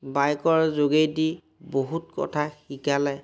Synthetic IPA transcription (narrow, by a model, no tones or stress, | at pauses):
bajkɔɹzoɡejdi | boɦutkɔ̰tʰaxikalɛ